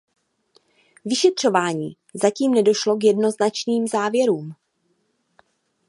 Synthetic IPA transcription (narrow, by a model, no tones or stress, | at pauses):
vɪʃɛt̪r̝̥o̞vaːɲḭː | zaciːmnɛdo̞ʃlo̞kjɛdno̞znat͡ʃniːmzaːvjɛɾuːm